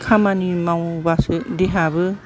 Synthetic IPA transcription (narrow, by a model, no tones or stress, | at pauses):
kʰamanimaw̃basɯd̪eɦabɯ